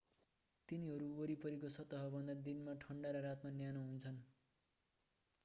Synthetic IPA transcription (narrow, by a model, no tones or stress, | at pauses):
t̪iniɦʌɾuoɾipʌɾik̬ot͡sʰʌt̪ʌɦʌbʱʌnd̪ad̪inmaʈʰʌɳɖaɾʌɾat̪manjanoɦunt͡sʰʌn